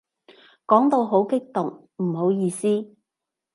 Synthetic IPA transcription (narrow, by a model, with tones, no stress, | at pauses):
kɔː˨˥ŋt̪o˧wɦo˨˥wkɪ˥k̚t̪ʊ˨ŋ | m̩˨˩ho˨˥wjiː˧siː˥